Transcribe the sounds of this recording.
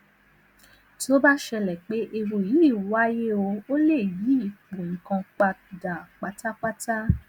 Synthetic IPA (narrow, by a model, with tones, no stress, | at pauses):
ti˦o˦ba˦ʃɛ˧lɛ˨k͡pe˦ʔe˧ɾu˨ji˨˦i˦˨wa˦je˦o˧o˦le˦˨ji˨˦i˦˨k͡pũ˨kã˧k͡pa˧da˨k͡pa˨˦ta˦k͡pa˦ta˦